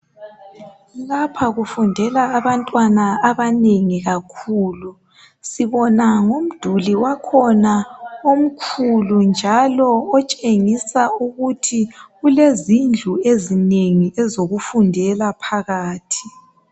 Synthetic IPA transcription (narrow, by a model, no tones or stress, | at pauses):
lapʰaɣufundʱɛlaːβantʼwanaːβaneŋiɣakʰuːlu | siβɔnaŋom̩d̥ʱuliwakʰɔnaom̩kʰulund͡ʒʱalɔːt͡ʃʼeŋisauɣutʰiɣulezind͡ɮʱuezineŋiɛzoɣufundʱɛlapʰaɣaːtʰi̥